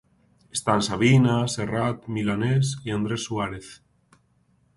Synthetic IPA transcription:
est̪ansaβ̞inaserat̪milanesiand̪ɾesːuaɾeθ

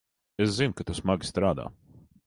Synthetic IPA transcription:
eszinkat̪usmaɡʲi̥st̪ɾaːd̪a̰ː

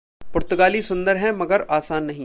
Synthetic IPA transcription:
pʊɾt̪ʊɡaːlisʊ̃nd̪əɾɦɛ̃mɐɡəɾaːsaːnːɐɦĩ

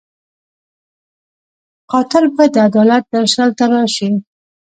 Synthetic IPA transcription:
qɑt̪ɪɾbad̪əad̪ɑlat̪̚d̪aʃalt̪aɾɑʃi

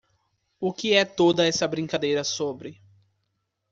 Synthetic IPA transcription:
ʊkɪɛt̪od̪ɐɛsɐbɾĩŋkad̪ejɾɐsobɾɪ

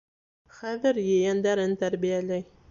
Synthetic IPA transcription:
χæðɘɾjɘ̆jænd̪æɾɘnt̪æɾbijælæj

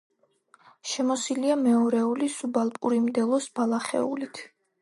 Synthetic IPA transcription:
ʃɛmɔsiliamɛɔɾɛulisubalˠpʼuɾimd̪ɛlˠɔsbalˠaχɛ̰ulit̪ʰ

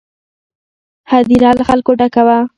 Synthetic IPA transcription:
had̪iɾɑlaxalkoɖakawa

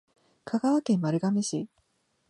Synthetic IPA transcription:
kʰaɡaβakẽ̞mːmaɾɯ̟ɡameɕi

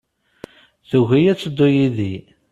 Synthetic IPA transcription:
θuʝijæt͡sːəd̪ːʊjiði

